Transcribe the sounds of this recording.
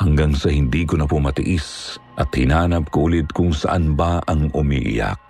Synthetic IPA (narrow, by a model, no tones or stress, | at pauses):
hɐŋɡaŋsɐhɪnd̪iːkʊnɐpʊmɐt̪ɪʔisʔɐt̪̚hɪnaːnɐp̚kuːlɪd̪̚kʊŋsɐ̰ʔanbaʔɐŋʔʊmḭʔɪ̰ja̰k̚